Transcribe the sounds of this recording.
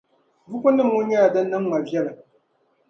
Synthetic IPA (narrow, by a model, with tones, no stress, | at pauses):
vu˦kʷʊ˦nɨ˦mwʊ˦ɲja˦a˨dɐ˦nːɐ˦m˦ma˨bjɛ˦la˨